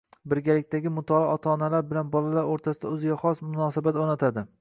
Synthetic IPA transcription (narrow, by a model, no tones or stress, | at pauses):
bɪɾɡʲalɪk̚ʲt̪aɡʲɪmʊt̪ʰɒlˠaɒt̪ʰɒːnalaɾbɪlanbɒlalaɾoɾt̪ʰasɪd̪aɵzɪɡʲaχɒsmʊnɒsabat̪onat̪ʰad̪ɪ